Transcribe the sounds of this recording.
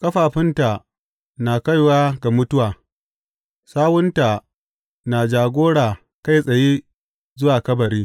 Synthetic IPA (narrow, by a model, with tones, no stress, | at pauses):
kʼɐ˦ɸaː˨ɸɪ˦nta˨ | naː˨ka˦˨jwaː˦ɡa˨mʊ˦tʊ˦waː˨ | saː˦wʊ˦nta˨ | naː˨d͡ʒaː˨ɡʷoː˦ɽaː˨ | ka˦jsʼɐ˨jeː˦ | zʊ˦waː˨kɐ˦bɐ˨ɾiː˦